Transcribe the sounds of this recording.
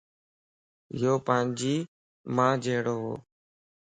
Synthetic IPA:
ɪjoːpãːnd͡ʒiː | mãːd͡ʒeːɽoːɦo̰ː

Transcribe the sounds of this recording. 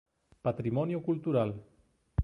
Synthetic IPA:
pat̪ɾimɔnjokulˠt̪uɾal

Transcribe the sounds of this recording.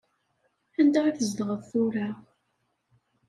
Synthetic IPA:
ænd̪aɾθəzd̪əʁəðθʊɾa

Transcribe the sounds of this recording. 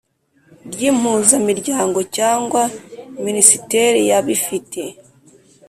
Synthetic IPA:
ɾɟiːm̥huːzamiɾɟaːŋɡo̞caːŋɡwaminisite̞ɾijaβifitʰe̞

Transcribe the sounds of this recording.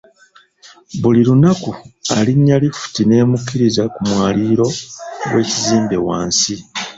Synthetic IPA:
βulilunakualiɲːalifu̥tine̞ːmukːiɾizakumwaːliːɾo̞we̞ːciziːmbe̞wa̰ːnsi

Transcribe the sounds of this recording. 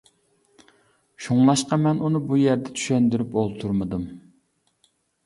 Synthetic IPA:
ʃuŋlˠɑʃqɑmɛnunɨbujɛɾd̪ɛt͡ʃ̪ʰy̥ʃɛnd̪yɾypolˠt̪ʰuɾmɨd̪ɨm

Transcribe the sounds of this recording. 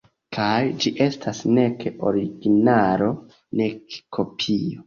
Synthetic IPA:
kʰajd͡ʒiʔe̞stasne̞keo̞ɾiɡinaɾo̞ | ne̞kkʰo̞pʰio

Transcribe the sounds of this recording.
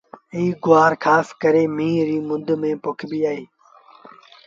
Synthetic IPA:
ɪiːɡʊaːɾkʰaːskəɾeːmĩːɾiːmʊ̃nd̪mẽːpʊkʰbiːaːɦeː

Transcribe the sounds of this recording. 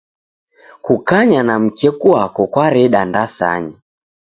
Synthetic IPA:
kukaɲanam̩kɛkuwakɔkwaɾɛɗandasa̰ɲi

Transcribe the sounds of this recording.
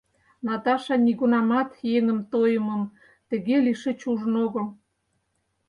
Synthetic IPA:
nɑt̪ɑʃɑniɣunɑmɑt̪jeŋə̆mt̪ojə̆mə̆m | t̪ə̆ɣeliʃĕt͡ɕuʒə̆noɣə̆l

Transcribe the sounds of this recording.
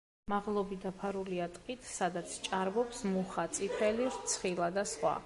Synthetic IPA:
maʁlˠɔbid̪apʰaɾuliat̪ʼqʼit̪ʰsad̪at̪sʰt͡ʃʼaɾbɔpsmuχat̪sʼipʰɛliɾt̪sʰχilˠad̪asχwa̰

